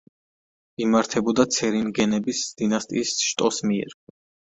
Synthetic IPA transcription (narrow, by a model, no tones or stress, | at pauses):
imaɾt̪ʰɛbɔd̪at̪sʰɛɾinɡɛnɛbisd̪̥inast̪ʼiːsʃt̪ʼɔsmiɛ̰ɾ